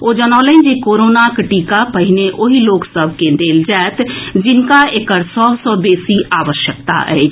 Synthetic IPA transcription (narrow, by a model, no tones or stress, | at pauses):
oːd͡ʒənaːleĩd͡ʒekoːɾoːnakʈiːkapəɦɪneʔoɦiloːksəbʱkẽd̪eːld͡ʒaet̪d͡ʒɪnkaekəɾsɔːsɔːbeːsiaːʋəʃjək̚t̪a̰ʔɛ̰ː